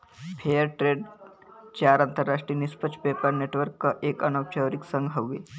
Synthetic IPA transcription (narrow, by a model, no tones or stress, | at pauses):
pʰeəɾʈɾeːɖ | t͡ɕaɾãnt̪əɾːaʂʈɾinispət͡ʃpepəɾneʈʋəɾkːɐʔeːkɐnəwt͡ɕəʋɾiksə̃ŋɡɦəʋːe